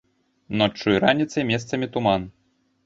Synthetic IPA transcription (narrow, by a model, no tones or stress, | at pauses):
nɔt͡ʂːɨjɾanʲit̪sɐjmʲɛst̪sɐmʲit̪uman